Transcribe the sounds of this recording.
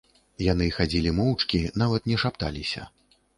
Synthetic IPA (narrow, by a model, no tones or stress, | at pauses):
janɨxad͡zʲilʲimɔwt͡ʂkʲinavɐt̪nʲɛʂapt̪a̰lʲisʲɐ̰